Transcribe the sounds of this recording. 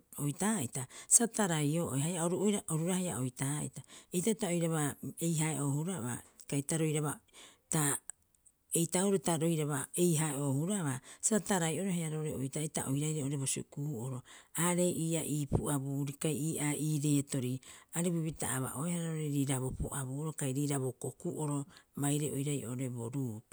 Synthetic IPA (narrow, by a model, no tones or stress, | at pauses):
ojtaitasataɾajoʔo̰jɦajaoɾuoɾaoɾuɾahaja̰ojtaːḭtaejtatao̞jɾaβaejɦaeʔo̞ːhuɾaβa̰kajtaɾo̞jɾaβata | ejtauɾotaɾo̞jɾaβaejɦaeʔo̞ːhuɾaβasataɾajʔo̞ɾoheaɾoɾeo̰jtataʔo̰jɾajɾeoɾeβosukuhuoɾo̞aːɾe̞jʔiːʔaʔiːpuabuːɾikajiːʔaʔiːɾe̞ːto̞ɾiaɾiβiβita̰aβa̰ʔo̞ehaɾaoɾeɾiːɾaβopo̰ʔaβuoɾokajɾiːɾaβokokuʔoɾo̞bajɾeʔojɾajʔo̰oɾe̞boɾuːp